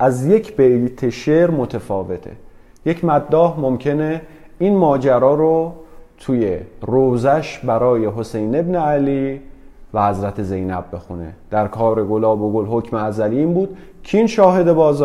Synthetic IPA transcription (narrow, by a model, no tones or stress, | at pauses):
ʔæzje̞cʰb̥et̪ʰeʃeɾmo̞t̪ʰefɒːve̞t̪ʰḛ | je̞cʰmæd̪ːɒːhmo̞mcʰene | inmɒːd͡ʒæɾɒːɾot̪ʰuːje̞roːzæʃbæɾɒːje̞ɦo̞se̞jne̞bneæliː | væhæzɾæt̪ʰe̞ze̞jnæb̚ːe̞xune̞̰d̪̥æɾkʰɒːɾe̞ɡo̞lɒːboɡolɦo̞cʰmeæzælimbuːd̪̥ | cʰinʃɒːhe̞d̪e̞bɒːzː